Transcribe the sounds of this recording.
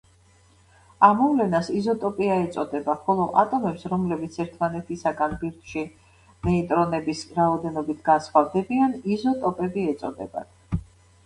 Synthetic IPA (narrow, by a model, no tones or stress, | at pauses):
amːɔvlɛnasizɔt̪ʼɔpʼiaɛt̪sʼɔd̪ɛbaχɔlˠɔʔat̪ʼɔmɛpsɾɔmlɛbit̪sʰɛɾt̪ʰmanɛt̪ʰisaɡanbiɾt̪ʰʼʃi | nɛit̪ʼɾɔnɛbisɾaɔd̪ɛnɔbit̪ʰɡ̥ansχwavd̪ɛbianizɔt̪ʼɔpʼɛbiɛt̪sʼɔ̰d̪ɛ̰ba̰